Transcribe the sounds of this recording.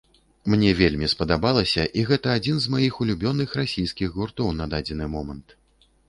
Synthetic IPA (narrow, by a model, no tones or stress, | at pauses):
mnʲɛvʲelʲmʲispɐd̪abalˠɐsʲɐʔiɣɛt̪ɐːd͡zʲinzmajixulʲubʲɔnɨxɾasʲijskʲiɣɣurt̪ɔwnad̪ad͡zʲɛnɨmɔmɐnt̪